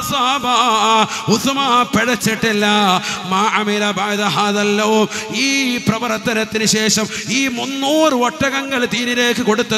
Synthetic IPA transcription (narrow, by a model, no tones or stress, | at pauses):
saba | usumapeɽɐt͡ɕːiʈːilːɐmaːʔɐmilɐbʱaːðɐɦaːðɐlːɐʋumiːprɐʋɐɾɐt̪ːɐnɐt̪ːinɨɕeːʂɐmiːmunːoːrɨʋɐʈːɐɣɐŋɡɐɭt̪iːnile̞ːkːɨko̞ɽut̪ːɐ